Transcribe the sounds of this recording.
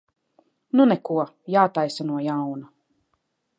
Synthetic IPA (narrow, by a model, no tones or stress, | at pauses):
nunɛkuɔ | jaːt̪ajsanuɔjawna